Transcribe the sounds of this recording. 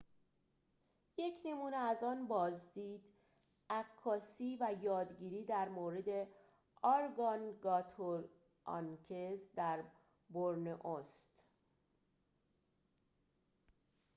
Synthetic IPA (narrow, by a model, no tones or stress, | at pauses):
je̞cʰne̞muːneæzɒːnbɒːzd̪iːd̪ | ækʰːɒːsiːvæjɒːd̪ɟiːɾiːd̪æɾmoːɾed̪e̞ | ɒɾɡɒnɡɒt̪ʰoɾ | ɒ̰ncʰezd̪æɾ | boɾneʔost̪